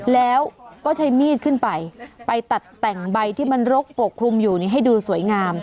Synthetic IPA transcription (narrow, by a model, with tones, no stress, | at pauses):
lɛː˦˥wkɔː˥˩t͡ɕʰa˦˥jmiː˥˩t̪̚kʰɯ˥˩npa˧jpa˧jt̪a˨˩t̪ːɛ˨˩ŋba˧jt̪ʰiː˥˩ma˧nɾo˦˥k̚po˨˩kʰːɾu˧mjuː˨˩ni˥˩ɦa˥˩jduː˧su˩˦əjŋaː˧m